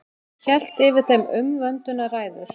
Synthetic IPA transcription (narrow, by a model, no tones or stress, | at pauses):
çɛl̥t̪ɪvɪð̥θejmʏmvœnt̪ʏnaraːjðʏɾ̥